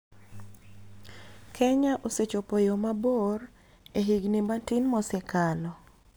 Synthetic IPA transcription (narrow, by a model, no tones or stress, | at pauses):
kʰɛɲaʔoset͡ʃopojomabor | eɦiɡnimatɪnmɔsɛkalɔ